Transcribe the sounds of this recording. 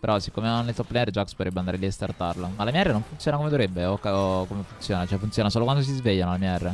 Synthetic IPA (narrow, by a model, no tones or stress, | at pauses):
peɾɔsi̥kːomenːelt̪ɔpːleɛɾd͡ʒakspot̪ɾebeand̪aɾeliast̪art̪arlomalamjaɛrːenoɱfunt̪sjoːnakomed̪oɾebːeokːaokomefunt̪sjoːnat͡ʃoɛfunt̪sjoːnasoːlokwand̪os̬izveʎjːanolamiaɛrːe